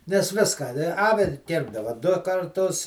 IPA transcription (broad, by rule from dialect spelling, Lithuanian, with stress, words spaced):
nʲɛs ˈʋʲɪskɑː ɐ ˈnʲɛ ˈɑːʋʲɪ ˈkʲɪrbdɐʋɐ dʊ kɐrˈtʊs